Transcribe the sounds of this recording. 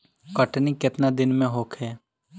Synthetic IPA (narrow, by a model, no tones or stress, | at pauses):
kəʈnĩkɪt̪nad̪ɪnmẽɦoːkʰɦɛː